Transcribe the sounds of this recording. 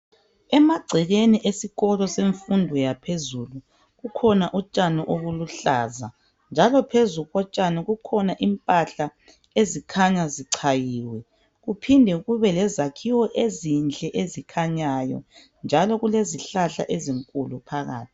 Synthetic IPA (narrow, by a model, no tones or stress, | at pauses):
ɛmaɡ͡ǀʱiɣeniʔesiɣɔlɔseɱfundʱɔjapʰezulu | ɣukʰɔnaʔut͡ʃʼanɔʔoɣuluɬaza | nd͡ʒʱalɔpʰezuɣɔt͡ʃʼanɔɣukʰɔnaʔimpʼaɬa | ezikʰaɲaziǀʰajiːwɛ | ɣupʰindʱɛuɣuβɛlɛzakʰiwɔʔezint͡ɬʼɛʔezikʰaɲajɔ̰ | nd͡ʒʱalɔɣuleziɬaɬa̰ʔeziŋkʼulupʰaɣa̰ːtʰi̥